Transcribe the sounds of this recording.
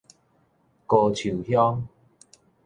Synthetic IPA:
ko˨˧t͡ɕʰu˨˩hjɔ˦ŋ

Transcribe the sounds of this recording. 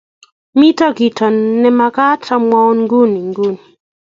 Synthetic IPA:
mi˦ta˦ki˨tʰɔ˨nnːɛ˦ma˨ka˦tʰa˨mwa˦ɔ˦nŋɡu˦ni˨ŋɡu˦ni˨

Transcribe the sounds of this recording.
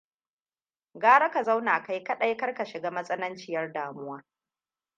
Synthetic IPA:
ɡaː˦ɽɐ˦ka˨za˦wnaː˨ka˦jkɐ˦ɗɐ˦jkɐ˦rkɐ˨ʃɪ˨ɡaː˦mɐ˦sʼɐ˦nɐ˦nt͡ʃɪ˨jɐ˦rdaː˨mʊ˦waː˦

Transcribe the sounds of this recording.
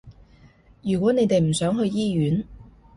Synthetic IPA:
jyː˨˩kwɔː˨˥ne˨˧jt̪e˨jm̩˨˩sœː˨˥ŋɦɵ˧ɥjiː˥jyː˨˥n

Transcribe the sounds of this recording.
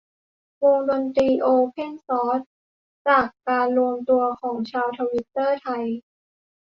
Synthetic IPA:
wo˧ŋdo˧nt̪ɾiː˧ʔoː˧pʰe˥˩nsɔː˦˥t̪̚ | t͡ɕaː˨˩kːaː˧nɾu˧əmt̪u˧ɐkʰɔː˩˦ŋt͡ɕʰaː˧wt̪ʰa˧wi˦˥t̪ːɤː˥˩t̪ʰa˧j

